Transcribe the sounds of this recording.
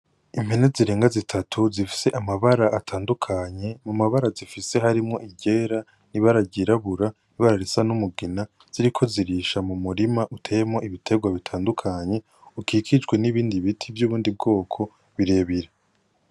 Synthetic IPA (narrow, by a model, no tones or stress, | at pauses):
im̥he̞ne̞ziɾe̞ːŋɡazitʰatʰuzifi̥se̞ʔamaβaɾaʔːtʰaːndukʰaɲe̞mumaβaɾazifise̞ɦaɾimŋo̞ʔiɟe̞ːɾa | niβaɾaɟiɾaβuɾa | niβaɾaɾesanumuɡina | z̥iɾikʰo̞ziɾiʃamumuɾimaʔutʰejemŋo̞iβitʰe̞ɡwaβitʰaːndukʰaɲe̞ | ukʰikʰid͡ʒɡwe̞niβiːndiβitʰivjuːβuːndib̚ɡo̞ːkʰo̞ | βiɾe̞βiɾa